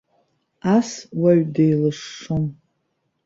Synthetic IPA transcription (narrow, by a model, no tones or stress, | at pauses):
aswaɥdejlɨʂːom